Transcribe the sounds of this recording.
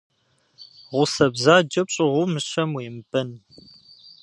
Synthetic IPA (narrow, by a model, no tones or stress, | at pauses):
ʁʷʊsɐbzaːd͡ʒɐp̚ɕʼɪʁʷʊmɨɕɐmweːmbʼɐn